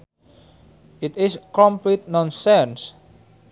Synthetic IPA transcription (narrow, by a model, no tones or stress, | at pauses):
it̪iskɔ̃mplit̪̚nɔ̃nsɛ̃ns